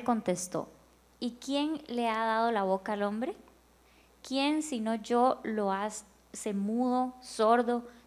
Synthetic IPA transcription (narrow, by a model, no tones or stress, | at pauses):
ko̞nt̪est̪o̞̰ | ikje̞nle̞aðað̞o̞laβ̞okaːlo̞mbɾe̞ | kjensino̞d͡ʒoloas | semuðo̞soɾðo̞